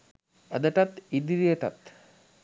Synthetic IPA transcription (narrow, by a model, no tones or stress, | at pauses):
ɐd̪əʈat̪id̪iɾijəʈa̰t̪